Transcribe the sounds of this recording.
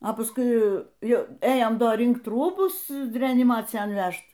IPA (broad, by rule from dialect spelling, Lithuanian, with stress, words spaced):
oː pɐsˈkʊɪ ˈjɛʊ ˈeːjoːm ˈdoː ˈrʲɪŋkt ˈruːbʊs rʲɛɐnʲɪˈmɑːt͡sʲɪjɛn ˈʋʲæʃt